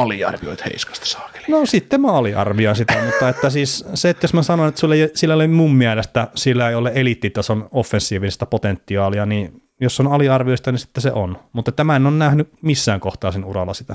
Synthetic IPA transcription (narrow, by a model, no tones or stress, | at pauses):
ɑliɑ̰rʋio̰it̪hḛˑiskɑ̥st̪ɑ̥sɑ̥ːke̥lnosit̪ːemæɑliʔɑ̰rʋioinsit̪æmut̪ːɑet̪ːæsiːsseet̪josmæsɑnonet̪ːsulːejosilːælemummiælest̪æsilːæeiolːeʔelit̪ːiːt̪ːjosonofːensːiːʋist̪ɑpot̪ent̪ːiɑːliɑni | josːonɑliɑrʋioist̪ɑnisi̥t̪ːesḛʔonmut̪ːet̪ːæmæenonnæhnymisːæːŋkoht̪ɑːsinurɑlːɑsit̪æ